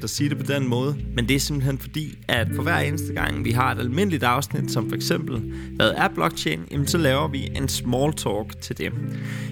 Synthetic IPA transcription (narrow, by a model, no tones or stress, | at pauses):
d̥ɒsiːd̥e̝pʰɒ̽d̥enmɔ̽ːð̞ˠəmend̥e̝æɐse̝mb̥l̩ɦen̰fɒ̽d̥ḭːʔæd̥pʰɒ̽ʋæɐ̰e̝ːnəsd̥əɡ̥ɑ̈ŋ̰ʋiɦɑ̈e̝d̥ælme̝n̰əlid̥ɑ̈ʊsnid̥sɒ̽mfɒ̽eɡ̥sem̰b̥l̩ʋæːɐð̞̩ˠæb̥b̥lɒ̽ɡ̥t͡ɕʰḛːnjæmnsɒ̽lɛːʊɐʋiʔe̝nsmɒːlt͡sʰɒːɡ̥t͡sʰe̝ld̥e